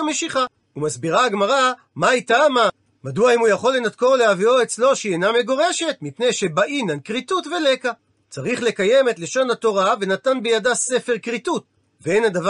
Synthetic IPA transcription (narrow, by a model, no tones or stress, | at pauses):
ame̞ʃiχa | umasbiʁaːɡmaʁa | maitama | maduaimujaχo̞lːe̞natko̞ʁleavioet͡slo̞ʃiename̞ɡo̞ʁe̞ʃe̞tmipnejʃe̞baʔinankʁitutvele̞ka | t͡saʁiχle̞kaje̞me̞tle̞ʃo̞nhato̞ʁave̞natanbejadase̞fe̞ʁkʁitut̚ | veenadav